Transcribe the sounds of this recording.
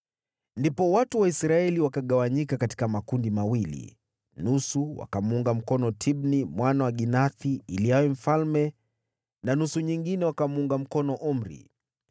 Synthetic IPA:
ndipɔwatuwaisɾaɛliwakaɠawaɲikakati̥kamakundimawilḭ | nusuwa̰kamuŋɡam̩kɔnɔtʰibnimwanawaɠinaθiːliawɛm̩falmɛ | nanusuɲiŋɡinɛwakamuŋɡam̩kɔnɔʔum̩ɾḭ

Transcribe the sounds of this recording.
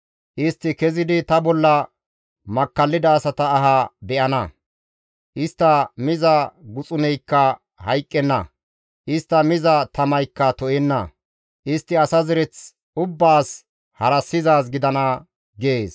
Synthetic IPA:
ʔɪst̪ːɪkɛzɪd̪ɪt̪ɐbɔlːɐ | mɐkːɐlːɪd̪ɐːsɐt̪ɐːɦɐbɛʔɐnɐ | ʔɪst̪ːɐmɪzɐɡʊt͡sʼʊnɛjkːɐ | hɐjkʼːɛnːɐ̰ | ʔɪst̪ːɐmɪzɐt̪ɐmɐjkːɐt̪ɔʔɛnːɐ̰ | ʔɪst̪ːɪɐsɐzɪɾɛt͡s | ʊbːaːs | hɐɾɐsːɪzaːs̬ɡɪd̪ɐnɐ | ɡeːs

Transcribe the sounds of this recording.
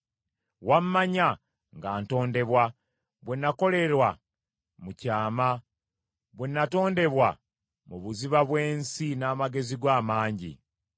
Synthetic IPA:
wamːaɲa | ŋɡaːnto̞ːnde̞βwa | βwenːako̞le̞ɾwa | mucaːma | βwenːato̞ːnde̞βwa | muβuziβaβwe̞ːnsinaːmaɡe̞ziɡwaːmaːɲɟḭ

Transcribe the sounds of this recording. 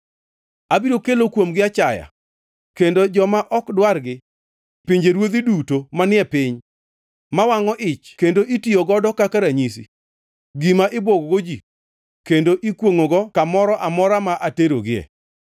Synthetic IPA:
abiɾokelokwomɡɪat͡ʃaja̰ | kendod͡ʒɔmaʔɔkdwarɡɪ | pɪɲd͡ʒeɾwod̪idutomanɪɛpɪɲ | mawaŋɔʔɪt͡ʃkendoʔitioɡɔdɔkakaɾaɲisḭ | ɡimaʔɪboɡɡod͡ʒi | kendoʔikwoŋoɡɔkamɔɾɔʔamɔɾamaʔateɾoɡɪɛ̰

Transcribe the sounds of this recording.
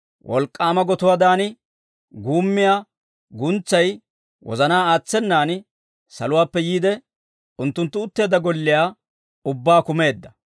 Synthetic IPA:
wʔɔ̰lkʼːaːmɐɡɔt̪ʊwad̪aːnɪ | ɡuːmːɪjaː | ɡʊnt͡sːɐj | wɔ̰zɐnaːaːt͡sːɛnːaːn | sɐ̰lʊwaːpːɛjiːd̪ɛ | ʊnt̪ːʊnt̪ːʊʊt̪ːe̞ːd̪ɐɡɔlːɪjaː | ʊbːaːkʊme̞ːd̪ːɐ

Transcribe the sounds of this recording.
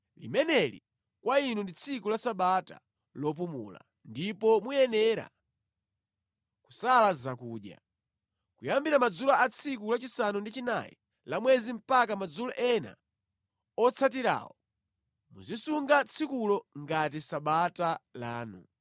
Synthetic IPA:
lḭmɛnɛlḭ | kwainundit͡sʰikulasaɓata̰ | lɔp̬umṵla̰ | ndipɔmujɛnɛɾa̰ | ku̥salazakuːɗja̰ | kujambiɾamad͡zulaat͡sʰik̬ulat͡ʃisanundit͡ʃina̰jḭ | lamwɛzim̩pak̬amad͡zulɔʔɛna̰ | ɔt͡sʰat̬iɾa̰ːwɔ | mṵzisuŋɡat͡sʰikulɔŋɡat̬isaɓatala̰ːnṵ

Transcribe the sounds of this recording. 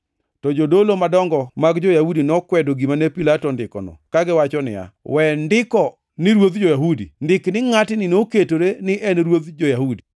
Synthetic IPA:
tɔd͡ʒodolomadɔŋɡɔmaɡd͡ʒojahudinɔkwɛdoɡimanɛpilatɔndɪkɔ̰nɔ̰kaɡɪwat͡ʃɔnɪ̰a̰wɛndɪkɔ | nɪɾwot̪d͡ʒojaɦudḭndɪknɪŋatɪnɪnoketoɾenɪʔɛnɾwot̪d͡ʒojahudi

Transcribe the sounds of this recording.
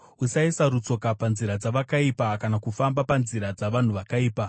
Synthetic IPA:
usaisaɾut͡so̞kapanziɾad͡zaʋakaipakanakufambapanziɾad͡zaʋan̤uʋakaiːpa

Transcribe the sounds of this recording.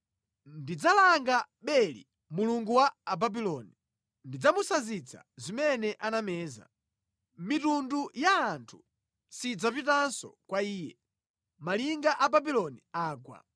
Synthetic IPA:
ndid͡zalaŋɡa | ɓɛlḭ | muluŋɡuwaːbabilɔni | ndid͡zamusazit͡sʰa̰zimɛnɛʔanamɛːza̰ | mitundujaːntʰu̥ | sid͡zapitansɔ̰kwaiːjɛ̰ | maliŋɡaʔababilɔniaːkwa̰

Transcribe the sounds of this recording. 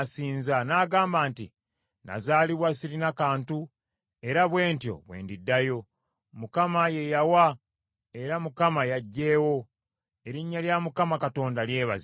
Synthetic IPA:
siːnzanaːɡaːmbaːntḭ | na̰zaːliβwasiɾinakaːntu | e̞ɾaβwe̞ːntjo̞̰βwe̞̰ːndidːajo̞ | mukamaje̞jawa | e̞ɾamukamajaɟːe̞ːwo̞ | e̞ɾiɲːaljamukamakato̞ːndalje̞ːβa̰z

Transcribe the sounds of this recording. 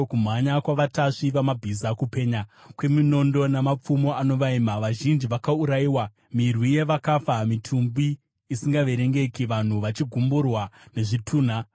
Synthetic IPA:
kum̤aɲakwaʋataʂiʋamabʱizakupe̞ːɲakwemino̞ndo̞namap͡fumo̞ʔano̞ʋaimaʋaʒind͡ʒiʋakauɾaiːwa | mirwije̞ʋakafamitʰumbiː | siŋɡaʋe̞ɾe̞ŋɡe̞kiʋan̤uʋat͡ʃiɡʱumburwane̞ʐitʰuːn̤a

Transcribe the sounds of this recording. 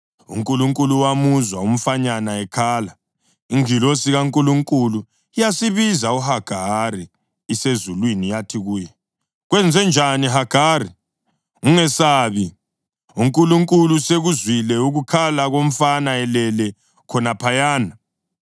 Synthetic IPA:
ṵŋkʼuluŋkʼuluwamuzwaum̩faɲanaɛkʰaːla | iŋilosiɣaŋkʼuluŋkʼulu | ijasiβizauhaɡ̥ʱariː | sezulwinijatʰiɣuːjɛ | ɣwɛnd͡zʱɛnd͡ʒʱaniɦaɡ̥ʱaːri | uŋɛsaβi | uŋkʼuluŋkʼuluseɣuzwilɛuɣukʰalaɣom̩fanaɛlɛlɛ | kʰɔnapʰajaːna

